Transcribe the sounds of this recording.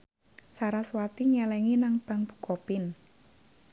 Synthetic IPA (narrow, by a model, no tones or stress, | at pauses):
saɾaswat̪iɲɛlɛŋinaŋb̥a̤ŋb̥u̥kɔpɪn